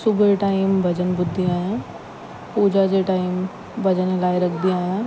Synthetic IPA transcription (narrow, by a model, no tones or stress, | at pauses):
sʊbəʈaːɪmbʱɐd͡ʒənbʊd̪ʱːijãɦɛ̃ | puːd͡ʒad͡ʒeʈaːɪm | bʱɐd͡ʒənelaːiɾɐkʰd̪ijãɦɛ̃